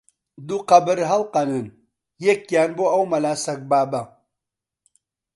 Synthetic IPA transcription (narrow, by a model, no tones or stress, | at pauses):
d̪uqɐbɨɾɦɐlqɐnɨn | jekːjaːnboɐwmɐlaːsɐk̚baːbɐ